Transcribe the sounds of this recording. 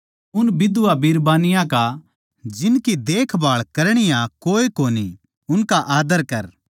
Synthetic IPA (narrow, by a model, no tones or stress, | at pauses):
ʊnbɪd̪ʊʋabiːɾbaːnɪjãka | d͡ʒɪnkid̪eːkʰbaːɭkɐɾɽ̃ɪjãkoːekoːnḭ | ʊnkaʔaːd̪əɾkɐɾ